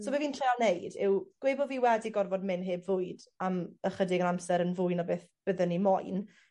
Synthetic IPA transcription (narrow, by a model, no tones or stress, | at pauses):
soːbɛviːntʰrealˠnejdɪwɡ̥weːbɔviːwɛdiɡɔrvɔdmɪnɦeːbvʊɨdaməχədɪɡənamsɛɾənvʊjnɔbeːθb̥əðənːimɔjn